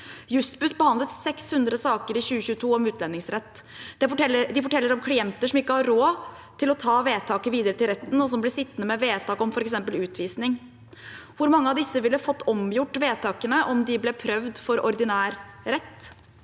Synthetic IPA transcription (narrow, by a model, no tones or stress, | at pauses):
jʉsbʉsbəhɑnd̪lət̪sɛkshʉnd̪ɾəsɑːkəɾɪçʉːəɕʉːət̪ʰuːɔmʉːt̪ʰlɛnːɪŋsɾɛt̪ː | d̪̥ɛɛd̪ɪfɔʈʰɛlːəɾɔmkʰɽɪɛnt̪əʂɔmɪkːəhɑɾɾoː | t̪ʰɪlɔt̪ʰɑːʋeːt̪ʰɑːkəʋiːd̪əɾət̪ʰɪlɾɛt̪ːn̩ɔs̬ɔmblɛsɪt̪ːənəmɛʋeːt̪ʰɑːkɔmfɔɾɛksɛmpəlʉːt̪ʰʋiːsnɪŋ | ʋʊɾmɑŋːəɑʋd̪ɪsːəʋɪlːəfɔt̪ːɔmjʊʈːʋeːt̪ʰɑːkənəʔɔmd̪ɪblɛpʰɾœʋd̪fɔɾɔɾd̪ɪnæːɾːɛt̪ː